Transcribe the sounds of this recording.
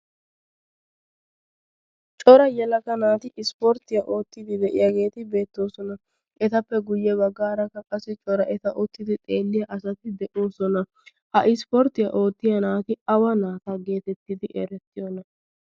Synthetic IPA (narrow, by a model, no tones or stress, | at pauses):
t͡ʃʼɔɾɐjɛlɐkɐnaːt̪ɪʔɪspɔɾt̪ɪjɐʔo̞ːt̪ːɪd̪ɪd̪ɛʔɪjaɡe̞ːt̪ɪbe̞ːt̪ːo̞ːsɔnɐ | ʔɛt̪ɐpːɛɡʊjːɛbɐɡːaːɾɐkːɐkʼɐsːɪt͡ʃʼɔɾɐʔɛt̪ɐʔɔt̪ːɪd̪ɪt̪ʼe̞ːlːɪjɐʔɐsɐt̪ɪd̪ɛʔo̞ːsɔnɐ | hɐʔɪspɔɾt̪ɪjɐʔo̞ːt̪ːɪjɐnaːt̪ɪɐwɐnaːt̪ɐɡe̞ːt̪ɛt̪ːɪd̪ɪʔḛːɾɛt̪ːɪjɔnɐ